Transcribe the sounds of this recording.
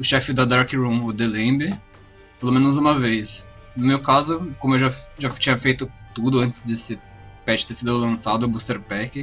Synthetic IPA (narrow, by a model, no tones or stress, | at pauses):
ʊʃɛfɪd̪ɐd̪aɾkɪɾũmod̪elẽbɪ | pelõmẽnʊzũmɐvejs | nʊmewkazʊkõmʊewʒaʒat͡ʃĩɲɐfejt̪ʊt̪ud̪ʊɐ̃nt͡ʃ̪ɪ̥zd̪esɪ | pɛt͡ʃɪt̪eɾsid̪ʊlɐ̃sad̪ʊbust̪eɾpɛkɪ